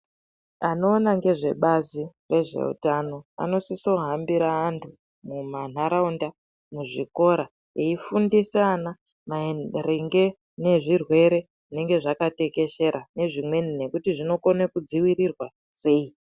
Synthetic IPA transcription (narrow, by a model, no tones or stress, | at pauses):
ano̞ːnaŋɡe̞ʐe̞ɓazire̞ʐe̞̰ṵtano̞a̰no̞siso̞ɦambiɾaːntʰu | muman̤aɾaunda | muʐiko̞ɾa | eifundisana | mareŋɡe̞ | ne̞ʐirwe̞ɾe̞ | ʐine̞ŋɡe̞ʐakate̞ke̞ʃe̞ɾane̞ʐimwe̞nine̞kutiʐino̞konekud͡ziwiɾirwa | se̞i